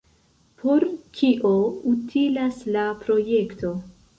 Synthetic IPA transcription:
pʰo̞ɾkʰiʔoutʰilaslapɾo̞je̞ktʰo̞

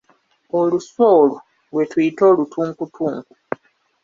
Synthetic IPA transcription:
oluso̞ːlo | lwe̞tujito̞ːlutʰuːŋkutʰuːŋku

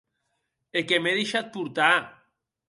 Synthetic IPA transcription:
ekemeðeʃat̪̚puɾt̪a

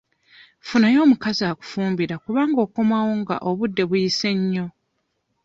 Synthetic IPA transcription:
funajo̞ːmukazaːku̥fuːmbiɾakuβaːŋɡo̞ːko̞mawo̞ŋɡa̰ʔoβudːe̞βujise̞ɲːo̞

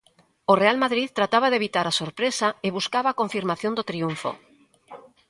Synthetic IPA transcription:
orealmaðɾitt̪ɾat̪aβaðeβit̪aɾasoɾpɾesaeβuskaβakõɱfiɾmaθjõnd̪ot̪ɾiuɱfo̰

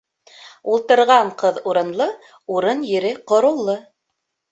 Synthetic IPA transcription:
ulˠt̪ɤ̆ɾʁɑɴqɤðuɾɤ̆nlˠɤ | uɾɤnjɘ̆ɾɘqŏɾɤ̆lˠːɤ

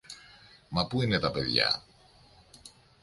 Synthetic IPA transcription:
mɐpuinet̪ɐpe̞ðʝɐ̰

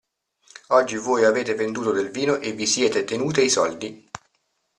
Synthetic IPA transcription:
ɔd͡ʒːivoːjaveːt̪evend̪uːt̪od̪elviːnoʔevːisjɛːt̪et̪enuːt̪eisɔld̪i

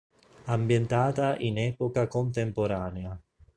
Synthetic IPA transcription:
ambjent̪aːt̪aʔinɛːpokakont̪empoɾaːnea

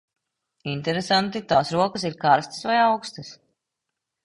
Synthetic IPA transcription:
inʲt̪ɛɾesant̪it̪aːsɾuɔkəs̬iɾkaɾst̪ə̥svajawkst̪əs

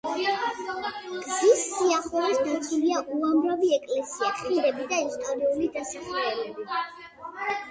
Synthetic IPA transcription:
ɡ̥zisːiaχɛɾasd̪at̪sʰuliaʔuamɾaviɛkʼlɛsiaiɾɛbid̪aɛst̪ʼɔɾiulid̪asaχlɛbɛbi

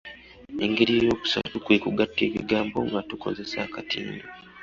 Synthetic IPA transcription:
eŋɡeɾiːjo̞ːku̥sa̰tukweːkuɡatːeːβḭɡaːmbo̞ŋɡatuko̞̰ze̞sa̰ːkatiːndo

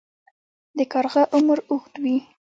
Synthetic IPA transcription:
d̪əkɑɾɣaʔʊməɾʊxt̪wi

